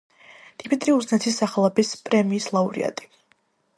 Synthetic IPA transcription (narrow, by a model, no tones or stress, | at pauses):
d̪̥imit̪ʼɾiuznɛt̪ʰisːaχlˠɛbispʼɾɛmiːslˠauɾḭa̰t̪ʼi̥